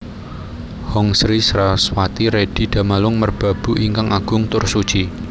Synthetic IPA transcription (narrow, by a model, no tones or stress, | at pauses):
hɔŋsɾisɾaswat̪iɾed̥i̤d̥a̤malʊŋmərb̥a̤b̥ṳʔiŋkaŋʔaɡ̥ʊŋt̪ʊrsud̥ʒ̥i